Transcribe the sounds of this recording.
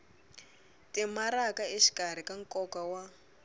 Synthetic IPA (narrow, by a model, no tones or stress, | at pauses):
tʼimaɾakaeʃi̥kar̤ikaŋkʼɔkawa